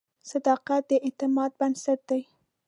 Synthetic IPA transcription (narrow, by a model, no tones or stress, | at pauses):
sad̪ɑqat̪̚d̪əʔɪt̪ɪmɑd̪̚bansaʈ̪̚d̪̥aj